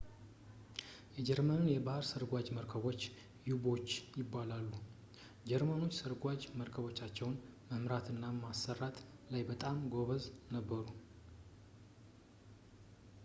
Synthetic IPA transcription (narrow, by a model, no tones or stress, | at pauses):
jɛd͡ʒɛɾmənnjɛbahɾsəɾɡʷad͡ʒməɾkʰəβo̞t͡ʃː | jubo̞t͡ʃːjɪbːalalːu | d͡ʒɛɾmano̞t͡ʃːsəɾɡʷad͡ʒməɾkʰəβo̞t͡ʃːat͡ʃːɛwnməmɾat̪ʰɨnːamasːərat̪lajbət̪ʼamɡo̞βəznəbːəɾu